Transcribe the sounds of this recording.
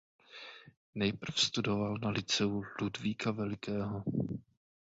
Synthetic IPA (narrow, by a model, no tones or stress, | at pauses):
nɛjpr̩fst̪udo̞valnalɪt͡sɛuludviːkavɛlɪkɛːɦo